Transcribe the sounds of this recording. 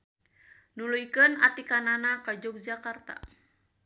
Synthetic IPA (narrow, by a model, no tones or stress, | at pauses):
nulujkəna̰t̪ikananakad͡ʒɔk̚d͡ʒakart̪a̰